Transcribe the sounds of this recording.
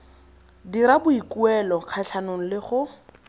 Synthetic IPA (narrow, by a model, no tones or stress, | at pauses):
diɾabʊikuɛlɔq͡χʰaɬʰanoŋ̩lɪχʊ